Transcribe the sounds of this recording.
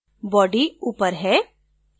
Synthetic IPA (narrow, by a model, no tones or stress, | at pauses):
bɔːɖiuːpəɾɦɛː